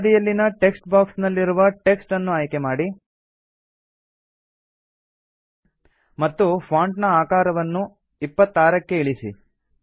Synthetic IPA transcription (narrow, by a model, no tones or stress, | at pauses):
d̪ijɐlːinɐʈe̞ksʈbaːksnɐlːiɾuʋɐʈe̞ksʈɐnːuaːjke̞maːɽi | mɐt̪ːupʰaːɳʈnɐaːkaːɾɐʋɐnːu | ipːɐt̪ːaːɾɐkːe̞iɭisḭ